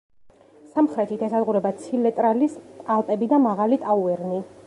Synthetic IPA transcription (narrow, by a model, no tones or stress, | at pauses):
samχɾɛt̪ʰit̪ʰɛsad̪ʁuɾɛbat̪sʰilɛt̪ʼɾalist̪ʼalˠt̪ʼɛbid̪amaʁalit̪ʼauɛɾni